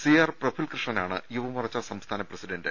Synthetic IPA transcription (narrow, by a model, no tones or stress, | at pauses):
sijaːrprɐbʰʱilkrɨʂɳɐnaːɳɨ̰juʋɐmurɐt͡ɕːasɐmst̪ʰaːnɐprɐsiɖɐnɖɨ